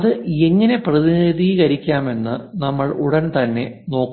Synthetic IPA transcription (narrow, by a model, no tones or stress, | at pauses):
ðɨe̞ŋːɐne̞prɐðiniðiːɣɐɾikʲːaːme̞nːɨnɐmːɐɭuɽɐnt̪ɐnːe̞ | no̞ːkː